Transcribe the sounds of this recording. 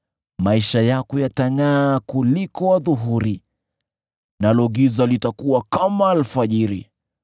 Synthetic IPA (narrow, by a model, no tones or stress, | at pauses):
maiʃajakujataŋaːkulikɔwaðuɦuɾi | nalɔɣizalitakuwakamaːlfaʄiɾḭ